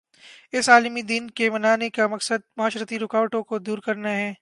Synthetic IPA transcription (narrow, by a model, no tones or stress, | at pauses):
ɪsaːlmid̪iːnkemɐnaːnekamɐksəd̪̚mʊɦaːʃɾət̪iɾʊkaːʋʈõkod̪uːɾkɐɾnaɦɛː